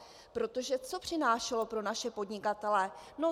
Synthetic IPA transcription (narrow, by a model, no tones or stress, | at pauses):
pɾo̞t̪o̞ʒɛt͡so̞pr̝̥ɪnaːʃɛlo̞pɾo̞naʃɛpo̞dɲɪkat̪ɛlɛno̞